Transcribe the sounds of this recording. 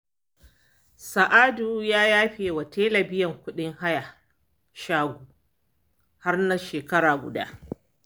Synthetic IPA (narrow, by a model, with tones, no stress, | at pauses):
sɐ˨ʔaː˦du˨jaː˦jaː˦ɸeː˨wa˨teː˦lɐ˨bɪ˦jɐ˨ŋkʷʊ˦ɗɪ˦ŋha˦ja˨ | ʃaː˦ɡʷu˨ | ha˦rna˦ʃeː˨kɐ˦ɾaː˨ɡʷʊ̰˨da̰ː˦ʔ